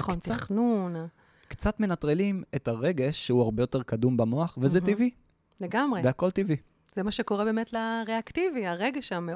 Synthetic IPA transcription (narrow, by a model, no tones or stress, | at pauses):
χont̪χnuna | kt͡sat̪menat̪ʁelimetaʁe̞ɡe̞ʃːeuaʁbe̞jote̞ʁkad̪umbamo̞aχvezetivi | leɡamʁebeako̞ltivi | z̥emaʃeko̞ʁebe̞ːmetlaʁeaktiviaʁeɡeʃame